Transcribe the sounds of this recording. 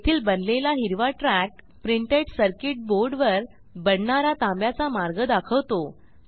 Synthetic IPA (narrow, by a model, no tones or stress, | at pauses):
t̪ʰiːlbənlelaɦiɾʋaʈɾæk̚ | pɾiɳʈeɖsəɾkiʈ̚boɾɖʋəɾ | bəɽɳaɾat̪ãmbjat͡samaɾɡəd̪akʰəʋt̪o